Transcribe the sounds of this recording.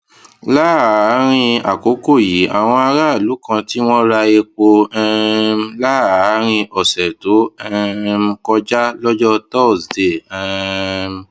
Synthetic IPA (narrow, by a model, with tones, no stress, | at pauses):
la˦˨˦ɾ̃ĩ˧a̰˨ko˨˦ko˦˨ji˨˦ʔa̰˨w̃ɔ̃˧a˧ɾa˦˨lu˨˦kã˧ti˦w̃ɔ̃˦ɾa˧e˧k͡po˧ɛ˧m˦la˦˨˦ɾ̃ĩ˧ɔ˨sɛ˨to˨˦ɛ˧m˧kɔ˧d͡ʒa˦lɔ˦d͡ʒɔ˦tɔ˦˨sde˨ɛ˧m